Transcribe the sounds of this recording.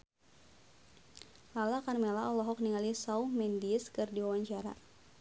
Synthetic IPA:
lalakarmelaʔɔlɔɦɔk̚niŋalisawmɛndiskɨrdiwawaɲt͡ʃaɾa̰

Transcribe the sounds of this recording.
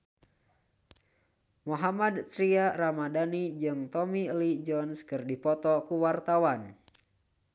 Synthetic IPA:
moɦamadt̪ɾiaɾamadanid͡ʒɨŋt̪ɔmilid͡ʒɔnskɨrdipɔt̪ɔkuwart̪awan

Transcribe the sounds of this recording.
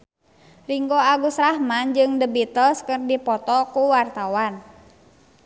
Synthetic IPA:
riŋɡoaɡusɾahmand͡ʒɨŋdəbit̪əlskərdipɔt̪ɔkuwart̪awan

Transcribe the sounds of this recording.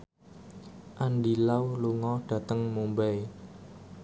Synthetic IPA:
ʔanɖilawluŋɔɖ̥ä̤t̪əŋmumbɛ

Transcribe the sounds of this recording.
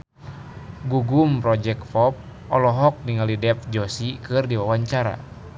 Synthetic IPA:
ɡuɡumpɾɔd͡ʒɛkfɔp̚ | ʔɔlɔɦɔk̚niŋalidɛp̚d͡ʒɔsikɨrdiwawaɲt͡ʃaɾa̰

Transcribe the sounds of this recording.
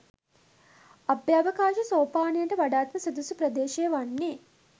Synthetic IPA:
abjaːʋɐkaːʃɐsoːpaːnijɐɳʈəʋaɖaːt̪mɐsɐd̪usupɾɐd̪eːʃejʋanːeː

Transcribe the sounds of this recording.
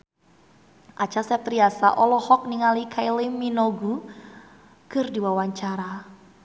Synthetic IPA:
ʔat͡ʃasɛt̪ɾiasa̰ʔɔlɔhɔk̚niŋalikʰailiminoɡu | kɨrdiwawaɲt͡ʃaɾa

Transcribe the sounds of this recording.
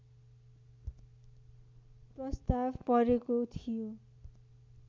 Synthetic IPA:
prʌst̪abpʌɾekot̪ʰijo

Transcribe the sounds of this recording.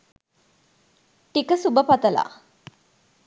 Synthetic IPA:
ʈikəsubəpɐt̪əla̰

